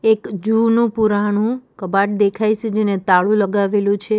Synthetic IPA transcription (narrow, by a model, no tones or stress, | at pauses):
ekd͡ʒunũpuɾaɽ̃ũkəbaʈ̚d̪ekʰajt͡ʃʰed͡ʒenet̪aɭũləɡaʋelũt͡ʃʰe